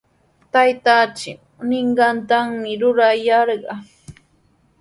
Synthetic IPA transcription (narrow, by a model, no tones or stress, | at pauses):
t̪ajt̪at͡ʃɪ | nɪɴɢɑnt̪aŋmɪɾʊɾajɑɾɢɑ